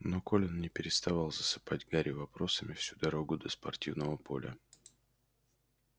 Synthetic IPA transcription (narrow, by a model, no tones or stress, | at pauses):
no̞ko̞lʲɪnnʲɪpʲɪɾʲɪst̪ɐvɑlˠzəsɨ̥padʲɡaɾʲɪvɐpɾo̞səmʲɪfsʲud̪ɐɾo̞ɡʊd̪əspɐrtʲivnəvəpʰo̞̰lʲə̰